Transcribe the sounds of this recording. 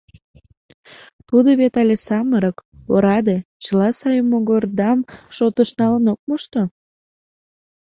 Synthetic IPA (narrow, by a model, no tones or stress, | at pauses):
t̪ud̪oβet̪ɑlʲesɑməɾəkoɾɑd̪et͡ɕəlɑsɑjəmːoɣord̪ɑmʃot̪əʃnɑlənok̚moʃt̪o